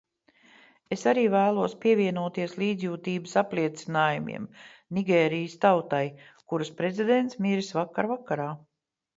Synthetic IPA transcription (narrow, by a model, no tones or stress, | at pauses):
esaɾiːvæːlˠuɔspiɛvʲiɛnuɔt̪iɛslˠiːd̪zʲjuːt̪iːbɨsaplʲiɛt̪sinaːjumḭɛmniɡʲɛːɾijəst̪awt̪aj | kuɾɨspɾezid̪ent̪smiɾisvakːaɾvakːaɾaː